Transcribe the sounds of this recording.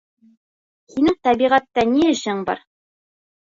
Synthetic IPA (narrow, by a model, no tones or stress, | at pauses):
hinɘŋt̪æbiʁæt̪ːæniæɕɤɴbɑ̰ɾ